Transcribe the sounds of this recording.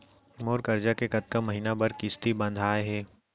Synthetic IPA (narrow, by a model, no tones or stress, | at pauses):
moːɾkɐɾd͡ʒakekɐt̪̚kəmːɐɦiːnabɐɾkɪst̪ibɐ̃nd̪ʱaːeɦɛː